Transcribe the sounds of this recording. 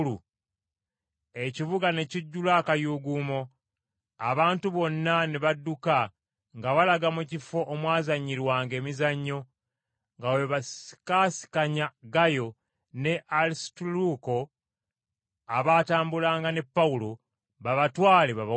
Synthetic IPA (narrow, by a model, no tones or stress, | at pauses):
u | e̞civuɡane̞ciɟːulakajuɡuːmo̞ | aβaːntuβo̞nːaneβadːuka | ŋɡaβalaɡamucifo̞ʔːmwaːzaɲːiɾwaːŋɡe̞ːmizaɲːo̞ | ŋɡaweβasi̥kasi̥kaɲaɡajo̞ | ne̞ʔalistuluko̞ | aβaːtaːmbulaːŋɡane̞pːaulo | βaβatwaːleβaβa